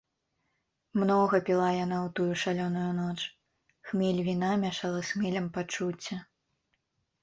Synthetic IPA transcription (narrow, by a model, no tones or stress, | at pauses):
mnɔɣɐpʲilˠajanawt̪ujuʂalʲɔnujunɔt͡ʂ | xmʲɛlʲvʲinamʲaʂalˠɐsxmʲɛlʲɐmpat͡ʂut͡sʲːɐ